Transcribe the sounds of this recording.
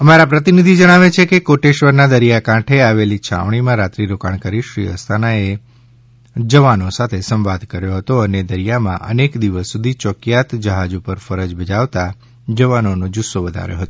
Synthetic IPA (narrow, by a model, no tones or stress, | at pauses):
əmaɾapɾət̪inid̪ʱid͡ʒəɽ̃aʋet͡ʃʰekekoʈeʃʋəɾnad̪əɾijakãʈʰeaʋelit͡ʃʰa̰ʋɳ̃imãɾat̪ɾiɾokaɳkaɾiʃɾḭɦə̰st̪ʰanae | d͡ʒəʋanosat̪ʰesə̃mʋad̪ʱkəɾjoɦət̪oəned̪əɾijamã̰ʔə̰nekd̪iʋəsːud̪ʱit͡ʃɔkjat̪d͡ʒəɦad͡ʒupəɾfəɾəd͡ʒbəd͡ʒaʋt̪a | d͡ʒəʋanonod͡ʒʊsːoʋəd̪ʱa̰ɾjo̰ɦət̪o